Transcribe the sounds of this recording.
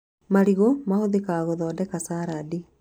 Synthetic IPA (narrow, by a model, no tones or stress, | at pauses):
maɾiɣɔmahoðekaɣɔðɔːdɛkasaːɾadi